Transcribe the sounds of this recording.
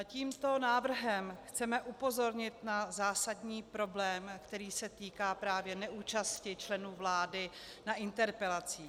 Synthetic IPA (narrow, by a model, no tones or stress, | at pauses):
ciːmt̪o̞naːvr̩ɦɛmxt͡sɛmɛʔupo̞zo̞ɾɲɪt̪nazaːsadɲiːpɾo̞blɛːmkt̪ɛɾiːsɛt̪iːkaːpɾaːvjɛnɛʔuːt͡ʃascɪt͡ʃlɛnuːvlaːdɪ | naʔɪnt̪ɛɾpɛlat͡siː